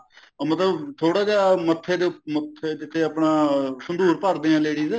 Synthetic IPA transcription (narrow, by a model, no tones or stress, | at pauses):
mət̪ləbt̪ʰoːɽaːd͡ʒaːmət̪ʰːeːd̪emət̪ʰːed͡ʒɪt̪ʰːeːəpɳaːsənd̪uːɾpəɾd̪eːjãːleːɽiːzɛː